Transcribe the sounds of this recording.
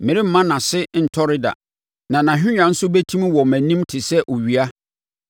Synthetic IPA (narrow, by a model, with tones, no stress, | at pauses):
mɪ̃˨ɾɪ˦m̩˦mã˦nã˨sɪ˦n̩˨tʰɔ˦ɾɪ˦da̰˨ | nã˨nã˨ɦᶣɪ̃˦ɲᶣã˨n̩˦sʊ˦bæ˦tʰũ˦m˦wɔ˨mæ̃˨nĩ˦mtʰɪ˨sɛ˦ʔo˨ɥi˨a˦